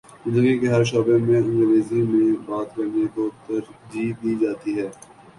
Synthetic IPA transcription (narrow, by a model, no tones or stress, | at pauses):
zɪ̃nd̪əɡikeɦɐɾʃ̬ɔːbemẽɐ̃nɡ̪əɾʋeːzimẽbaːt̪kɐɾnekot̪ɐɾd͡ʒiːd̪iːd͡ʒaːt̪iɦɛː